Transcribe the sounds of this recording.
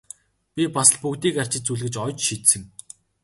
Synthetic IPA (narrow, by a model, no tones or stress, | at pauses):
pʲipasə̆ɮpukt̪iːkar̥t͡ɕɪ̆t̪t͡suɮɣɘ̆t͡ɕɔjt͡ɕʃit̪sɘ̆ŋ